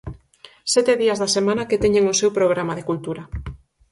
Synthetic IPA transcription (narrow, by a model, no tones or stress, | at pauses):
sɛt̪eðiazðasemãnaket̪eɲeŋʊsewpɾoɣ̞ɾamaðekult̪uɾa